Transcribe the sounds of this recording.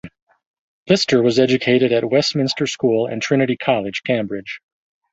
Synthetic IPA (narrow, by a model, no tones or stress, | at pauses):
lɪstə˞wʌzɛd͡ʒɨkʰeɪɾɨɾɨt̚wɛst̚mɪ̃nstə˞skulˠɨ̰̃ntʰɹ̥ɪñɨɾikʰɑlˠɨd̥ʒ̥kʰẽmbɹɪd̥ʒ̥